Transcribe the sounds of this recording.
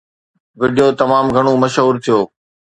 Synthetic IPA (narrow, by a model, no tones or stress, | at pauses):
ʋɪɖijoːt̪ɐmaːmɡʱɐɽ̃omɐʃɦuːɾt̪ʰijoː